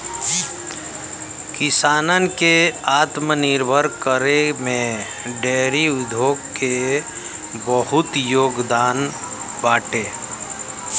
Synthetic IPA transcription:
kɪsaːnənkeaːt̪mənɪɾbʱəɾkəɾemẽ | ɖeːɾiʊd̪ʱjoːɡke | bəɦʊt̪joːɡd̪aːn | baːʈeː

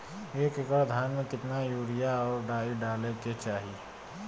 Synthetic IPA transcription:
eːkɪkəɽd̪ʱaːnmẽkɪt̪najuːɾijaɔːɾɖaːiɖaːleket͡ʃaːɦi

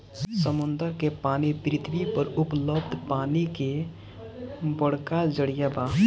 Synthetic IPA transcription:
səmʊ̃nd̪əɾkepaːnipɾɪt̪ʰwipəɾʊpləbd̪ʱpaːnike | bəɽkad͡ʒəɽijabaː

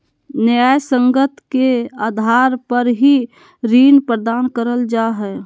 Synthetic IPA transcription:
njajsə̃ŋɡət̪keaːd̪ʱaːɾpəɾɦi | ɾiːnpɾəd̪aːnkəɾəld͡ʒaɦɛː

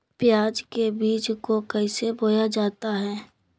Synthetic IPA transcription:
pjaːd͡ʒkebiːt͡ʃkokɛɪseboːjad͡ʒaːt̪aɦɛː

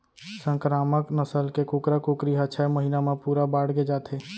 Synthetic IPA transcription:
sə̃ŋkɾaːməknəsəlkekuːkɾakukɾiɦat͡ʃʰaməɦiːnamãpuːɾabaːɽɡed͡ʒaːt̪ʰɦe

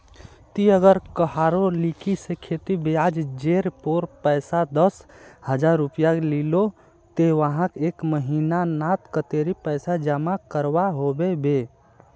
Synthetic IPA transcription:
t̪iəɡəɾkəɦaɾolikisekʰet̪ibead͡ʒd͡ʒeɾpoɾpəɪsad̪əshəd͡ʒaɾːupijaklilo | t̪eʋəɦãkekməɦinanat̪kət̪eɾipəɪsad͡ʒəmakəɾbaɦobebe

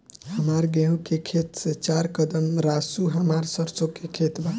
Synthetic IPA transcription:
ɦəmaɾɡɛw̃kekʰet̪sət͡ʃaɾkəd̪əmɾasuɦəmaɾsəɾsokekʰet̪ba

